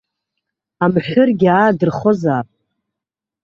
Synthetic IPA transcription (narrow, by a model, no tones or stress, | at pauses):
amħʷᶣʊrɡʲaːdɨrχozaːpʼ